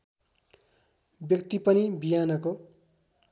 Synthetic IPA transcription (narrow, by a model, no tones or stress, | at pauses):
bjʌkt̪ipʌnibijanʌko